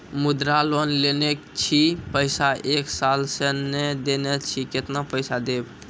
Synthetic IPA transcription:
mud̪ɾalonlenekt͡ʃʰipəɪsaeksalsəned̪enet͡ʃʰiket̪napəɪsad̪eb

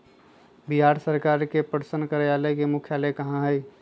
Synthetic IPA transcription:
biɦaːɾsəɾkaːɾkepəɾsənkəɾjaləkemʊkʰjaːlekɐɦãɦɛj

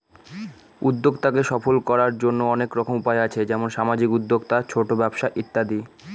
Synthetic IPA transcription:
ud̪ːoɡt̪akeʃɔfolkɔɾaɾd͡ʑonːoɔnekɾɔkʰomupaeat͡ɕʰed͡ʑɛmonʃamad͡ʑikud̪ːoɡt̪at͡ɕʰoʈobɛbʃaʔit̪ːad̪i

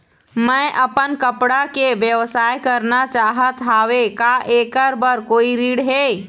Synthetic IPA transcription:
məjʔəpənkəpɽakebjəʋsajkəɾnat͡ʃaɦət̪ɦaʋekaʔekəɾbəɾkoiɾiɽɦe

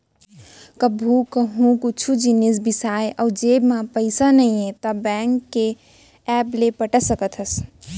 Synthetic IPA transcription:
kəbʱukəɦũkut͡ʃʰud͡ʒinis̬bisajad͡ʒebmapəɪsanəiẽt̪əbɛŋkːe | ɛplepəʈəsəkət̪ʰəs

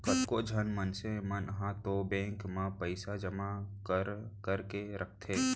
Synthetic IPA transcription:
kɐt̪kod͡ʒʱənmənsemənəɦãt̪obẽːŋkmãpəɪsad͡ʒəmakəɾkəɾkeɾʔək̚ʰt̪ʰeː

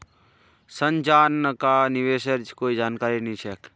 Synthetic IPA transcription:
sənd͡ʒaːnkaniʋeːʃəɾd͡ʒkoːid͡ʒaːnkaːɾinĩt͡ʃʰɛk

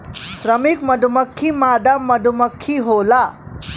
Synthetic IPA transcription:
sɾəmikməd̪ʱuməkʰːimad̪amːəd̪ʱuməkʰːiɦola

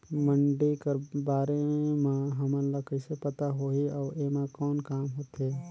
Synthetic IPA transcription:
məɳɖikebaːɾemãɦəmənləkəsepət̪aɦoiɔːɾemãkɔːnkaːmɦoːt̪eː

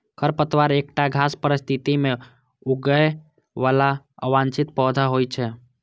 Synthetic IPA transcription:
kʰəɾpət̪ʋaːɾeːk̚ʈaɡʱaːspəɾɪst̪ʰit̪imẽ | uɡəe | ʋaːla | əʋãːnt͡ʃɪt̪̚pɔːd̪ʱaɦojt͡ʃʰɛ

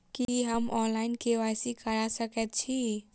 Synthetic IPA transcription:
kiɦəmʔɔnlaɪnkewasikəɾasəkɛt̪̚t͡ʃʰi

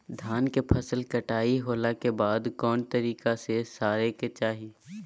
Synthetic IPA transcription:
d̪ʱaːnkepʰɐsəlkɐʈaːiɦoːlakebaːd̪kɔːnt̪ɐɾiːkasesaːɾeket͡ʃaːɦiː

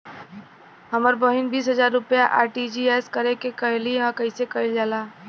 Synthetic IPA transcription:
ɦəməɾbəɦɪnbiːsɦəzaːɾːʊpjaʔaːɾʈid͡ʒiɛːskəɾekekəɦɪliɦãkəɪsekəɪld͡ʒaːlaː

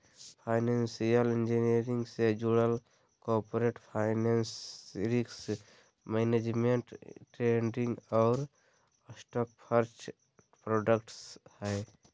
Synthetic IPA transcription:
pʰaɪnensijəlend͡ʒineɾiŋɡsed͡ʒuɽəl | kɔpoɾeʈpʰaɪnensɾiks | mened͡ʒmeɳʈʈɾeɳɖĩŋɡɔʊɾ | sʈɔːk̚pʰəɾt͡ʃʰ | pɾoːɖəkʈshɛː

